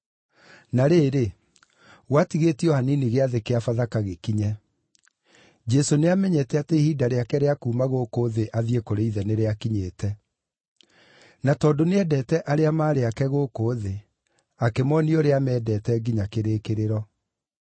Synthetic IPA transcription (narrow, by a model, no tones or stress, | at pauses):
naɾeːɾe | ɣwatiɣetiɔhaniniɣeaðekeafaðakaɣekiɲɛ | d͡ʒɛsoneamɛɲɛtɛateihiːdaɾeakɛɾeakuːmaɣokoːðeʔaðiekoɾeiðɛneɾeakiɲeːtɛ | natɔːdoneɛdɛtɛʔaɾeamaːɾeakɛɣokoːðe | akemɔnioɾeamɛːdɛːtɛɡiɲakeɾekeɾeɾɔ